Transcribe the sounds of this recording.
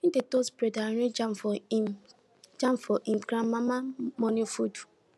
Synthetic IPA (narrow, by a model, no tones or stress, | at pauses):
idetospɾedaɾed͡ʒamfɔ | d͡ʒamfɔʔimkɾãmmamamɔnifud͡ʒu̥